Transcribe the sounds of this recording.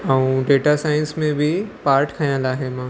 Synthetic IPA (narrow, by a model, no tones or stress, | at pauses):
aũɖeːʈasaːɪ̃nsmẽbʱipaːɾʈkʰajãlaːɦemã